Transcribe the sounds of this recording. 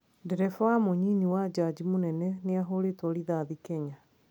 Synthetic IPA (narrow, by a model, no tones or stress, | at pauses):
ndɛɾɛfɔamoɲiniwad͡ʒad͡ʑimonɛnɛneaɦoɾetɔɾiðaðikɛɲa